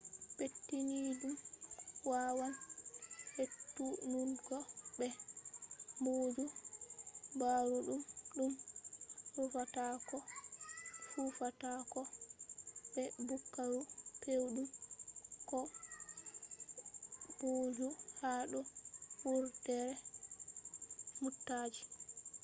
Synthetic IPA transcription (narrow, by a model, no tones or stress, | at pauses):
petːinidumwawan | hetːununkɔbɛ | mboːd͡ʒu | baɾuɗumɗum | ɾufatakɔ | fufatakɔ | bɛbukːaɾupewɗum | kɔ | b̥oːd͡ʒuhaɗuwuɾtɛɾɛ | mutːaːd͡ʒi